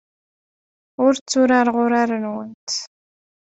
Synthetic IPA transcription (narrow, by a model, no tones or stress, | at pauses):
ʊɾt͡sːuɾaɾʁʊɾaɾənwənt̪